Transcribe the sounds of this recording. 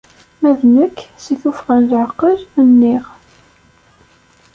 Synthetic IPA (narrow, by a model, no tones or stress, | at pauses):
mæðnəkːsiθufʁənlʕəqːələnːɪʁ